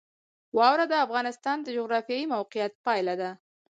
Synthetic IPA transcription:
wɑwɾad̪əafɣɑnɪst̪ɑnd̪əd͡ʒʊɣɾɑfjɑjimawqɪjat̪̚pɑjlad̪a

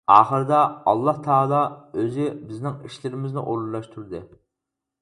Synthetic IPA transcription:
ɑːχəɾɨd̪ɑɑ̰lˠːɑht̪ʰɑːlˠɑøzɪbɪznɪŋiʃlɪɾɪmɪznɪʔoɾlˠɑʃt̪ʰuɾd̪ɨ

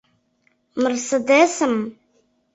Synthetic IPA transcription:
mɨrsɨd̪esɨm

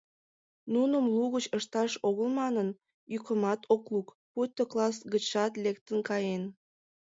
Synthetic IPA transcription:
nunəmluɣət͡ɕəʃt̪ɑʃoɣəlmɑnən | jykəmɑt̪ʰokluk | put̪ʲːoklɑs̬ɡət͡ɕɑt̪lekt̪ənkɑjen

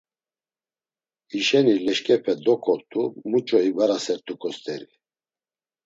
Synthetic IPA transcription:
iʃɛnilɛʃkʼɛpʰɛd̪ɔkʰɔɾt̪ʰʼumut͡ʃʼɔivaɾasɛɾt̪ʰʼukʰʼɔst̪ʼɛɾi

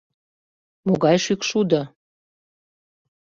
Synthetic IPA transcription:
moɣɑjʃykʃud̪ə̆

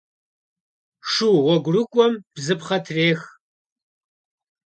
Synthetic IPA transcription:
ʂuːwɔɡʷrɨkʷʼɔmb̥zɨpχɐtʰreːx

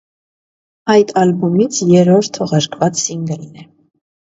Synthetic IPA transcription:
ɑjt̪ʰɑlbumit͡sʰjɛɾɔɾt̪ʰːɔʁɑɾkʰvɑt͡ssiŋɡəlnɛ

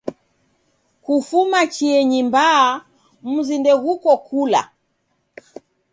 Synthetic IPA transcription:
kufumat͡ʃiɛɲimbaː | m̩zindɛɣukɔkula̰

